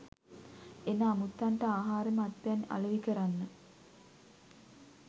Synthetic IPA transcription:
enaːmut̪ːaɳʈəaːɦaːɾəməat̪ʋejana̰ləʋikəɾanːə

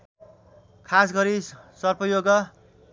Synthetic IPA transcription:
kʰas̬ɡʌɾisʌrpʰʌjoɡʌ

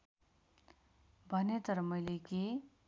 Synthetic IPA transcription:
bʱʌnet̪ʌɾʌmʌjleke

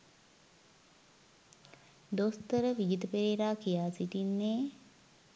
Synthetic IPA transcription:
d̪ost̪əɾəʋid͡ʒit̪əpeɾeːɾaːkijaːsiʈinːeː

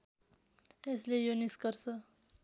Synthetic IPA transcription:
eslejoniskʌɾsʌ

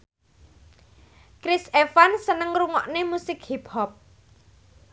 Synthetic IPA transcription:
kɾɪsefansənəŋruŋɔʔnemusɪkhipʰɔp̚

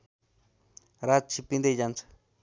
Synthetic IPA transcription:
ɾat͡ʃipind̪ejant͡sʰḁ

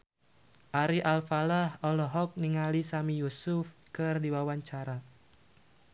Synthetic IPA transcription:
ʔaɾiʔalfalahɔlɔɦɔk̚niŋalisamijusʊfkɨrdiwawaɲt͡ʃaɾa

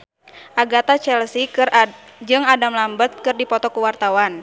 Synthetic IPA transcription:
ʔaɡat̪at͡ʃɛlsir | d͡ʒɨŋadamlambət̪̚kɨrdipɔt̪ɔkuwart̪awan

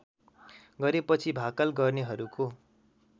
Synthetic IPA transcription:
ɡʌɾepʌt͡sʰibʱakʌlɡʌrneɦʌɾuko

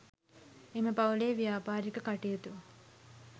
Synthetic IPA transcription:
eməpaleːʋijaːpaːɾikəkaʈijet̪uʋɐ

